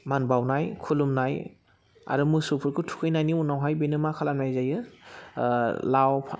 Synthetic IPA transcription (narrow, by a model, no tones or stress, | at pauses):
manbawnajkʰulumnaj | a̰ɾɯmɯsupʰɯɾkʰɯtʰu̥kʰɯjnajniunːawɦajbenɯmakʰalamnajzajɯ | lawpʰ